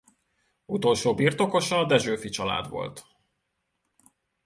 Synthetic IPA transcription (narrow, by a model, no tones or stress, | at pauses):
ut̪o̞lʃoːbirt̪o̞ko̞ʃɒd̪ɛʒøːfit͡ʃɒla̰ːd̪ʋo̞̰lt̪